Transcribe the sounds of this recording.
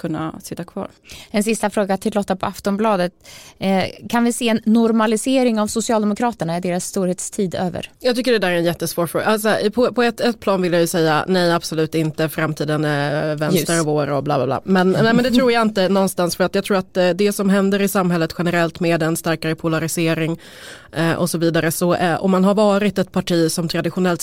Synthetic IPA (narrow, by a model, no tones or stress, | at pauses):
kʰɵnːa̰sɪt̪ːakʰvɑ̰ːɾɛnsɪst̪afɾoːɡat̪ʰɪlɔt̪ːapʰɔaft̪ɔmblɑːd̪ət̪ | kʰanvɪseːɛnːʊɾmalɪseːɾɪŋavsʊsɪɑːld̪ɛmʊkʰɾɑːt̪əɳaɪɖ̪eːɾasːt̪uːɾheːt̪st̪ʰiːd̪ø̰ːvə̰ɾjɑɡt̪ʏkːəɖɛd̪æːɾɛnjɛt̪ːəsvoːɾfɾoːɡa̰aspʰɔpʰɔɛt̪ɛt̪̚ːpʰlɑːnvɪljajɵsɛjːa̰nɛjab̥sɔlʉ̟ːt̪ɪnt̪əfɾamt̪ʰiːd̪ənvɛnst̪əɾɔvoːɾɔbla̰ːblabla̰ːmɛnnɛmɛnd̪ɛt̪ʰɾuːjaɪnt̪ənɔnst̪ansfœɾat̪jɑɡt̪ʰɾuːɾat̪d̪ɛsɔmɦɛnd̪əɾɪsamɦɛlːət̪ɧɛnəɾɛlt̪meːd̪ɛnst̪æɾkaɾəpʰʊlaɾɪseːɾɪŋ | ʔɔ̰sɔviːd̪aɾəsɔʔɔ̰mːanɦaɾvɑːɾɪt̪ɛt̪̚pʰaʈʰiːsɔmt̪ʰɾad̪ɪɧʊnɛlt̪